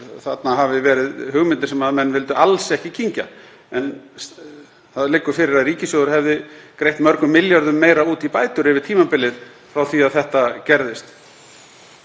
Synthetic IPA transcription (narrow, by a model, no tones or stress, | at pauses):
θat̪naɦavɪvɛːɾɪðɦʏɣmɪnɪ̥sɛmaðmɛnːvɪlt̪ʏalsɛhcɪcʰiɲca̰ | ɛn | θaðlɪkːʏ̥fɪɾɪɾaðriːcɪsowðʏɾ̥hɛvðɪkɾejht̪mœɾkʏmːɪljaɾðʏmːeːjɾauːt̪ipaːjt̪ʏɾɪvɪɾ̥t̪ʰiːmapɪlːɪð | fɾawθviaðθɛht̪acɛɾðɪst̪